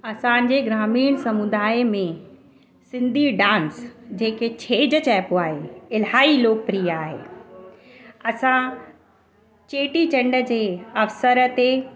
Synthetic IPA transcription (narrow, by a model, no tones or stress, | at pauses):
ɐsã̆d͡ʑeːɡɾaːmiːɽ̃sɐmud̪aːemẽ | sɪ̃nd̪ʱiɖãːnsd͡ʑeːket͡ɕʰeːd͡ʑət͡ɕɛːpoaːɦeɪlɦaːiloːk̚pɾiːaːɦḛː | ɐsã | t͡ɕeːʈit͡ɕɐ̃ɳɖəd͡ʑeːɐfsəɾət̪e